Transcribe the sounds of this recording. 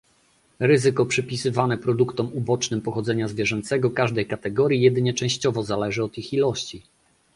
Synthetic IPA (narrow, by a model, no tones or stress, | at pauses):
ɾɘzɘkɔpʂɘpʲisɘvanɛpɾɔd̪ukt̪ɔmubɔt͡ʂnɘmpɔxɔd̪zɛɲazvʲjɛʐɛnt̪sɛɡɔkaʐd̪ɛjkat̪ɛɡɔɾʲjijɛd̪ɘɲɛt͡ʂɛ̃w̃ɕt͡ɕɔvɔzalɛʐɘɔt̪ixilɔɕt͡ɕi